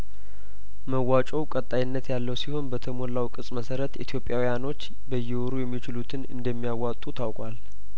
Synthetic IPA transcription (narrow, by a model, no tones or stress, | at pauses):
məwːat͡ʃʼowkʼət̪ʼːajɪnːət̪jalːəwsiho̞nbət̪ʰəmo̞lːawkʼɨsʼməsəɾət̪it̪ʰjo̞pʼːjawijano̞t͡ʃː | bəjɛwoɾujɛmːit͡ʃɪlut̪ʰɨnɨ̰nd̪əmːijawat̪ʼut̪ʰawkʼal